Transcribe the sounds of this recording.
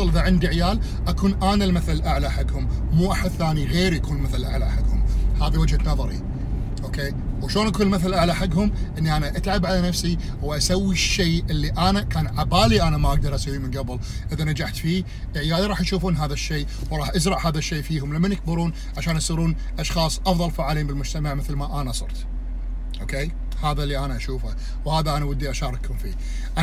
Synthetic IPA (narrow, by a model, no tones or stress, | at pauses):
ɨlʔɪðaʕɪnd̪iɪʕjaːl | ʔakuːnʔaːnalmaθalʔaʕlaħaɡhʊmmuːʔaħʊθːaːniɣeːɾjakuːnmɪθalʔa̰ʕla̰ħaɡhʊmhaːðiwad͡ʒhanɑðˤɑɾḭ | ʔoːkeː | wʃloːnʔakuːnlmɪθalʔaʕlaħaɡhʊmʔɪnːiʔanaʔat̪ʕabʕalanafsi | wʔasawːiʃːeːʔɪlːiʔanakaːnʕabaːliʔanamaʔaɡ̚d̪ɑɾˤʔasiːɾimɪnɡabl | ʔɪðanad͡ʒaħt̪fiː | ʔʕjaːðiɾˤɑːħjʃuːfuːnɦaːðaʃːeː | wɾˤɑːħʔazɾˤɑʕhaːðaʃːeːfiːhʊmlamːanjɪk̚bɑɾuːn | ʕaʃaːnʔasˤiːɾuːn | ʔɑʃxɑːsˤʔɑfðˤɑlfaːʕaːliːmbɪlmʊd͡ʒt̪amaʕmɪθlmaʔanasˤɨ̰ɾˤt̪ | ʔoːkeː | haːðalːiʔanaʔaʃuːfa | whaːðaʔanawɪd̪ːiʔaʃɑːɾˤɑkhʊmfḭː | ʔa